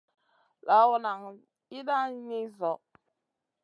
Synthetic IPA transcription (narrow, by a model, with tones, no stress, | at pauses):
la˨wo˨na˨ŋ | i˦da˦ɲi˦zɔ˨